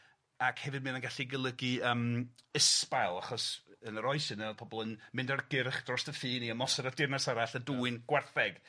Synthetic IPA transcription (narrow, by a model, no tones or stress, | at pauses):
akʰhɛvɨd̚mɨnənɡaɬiɡəlˠəɡiəːməspalˠaχɔsənəɾɔɨsɪnɛpʰɔbɔlˠənmɪndarɡɪrχd̥rɔstəfiːniəmɔsɔɾardɪrnasaɾaɬəduɨnɡ̥wɛrθɛɡ̥